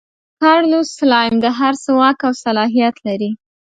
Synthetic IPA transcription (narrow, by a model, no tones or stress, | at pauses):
kɑɽnuslɑjmd̪əɦaɾsəwɑkawsalɑɦijat̪laɾi